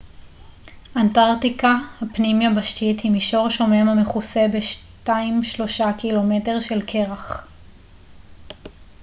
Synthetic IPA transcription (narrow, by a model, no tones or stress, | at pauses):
ʔantaʁtikahapnimjabaʃtithimiʃo̞ʁʃo̞memameχuse̞beʃtaimʃlo̞ʃakilo̞me̞te̞ʁʃelkʰe̞ʁaχ